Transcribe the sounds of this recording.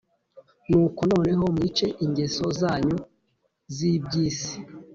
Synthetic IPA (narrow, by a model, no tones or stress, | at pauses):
nuːkono̞ːne̞ɦo̞mŋiːt͡ʃe̞ʔiɲɟeso̞zaːɲu | zibɟiːsi̥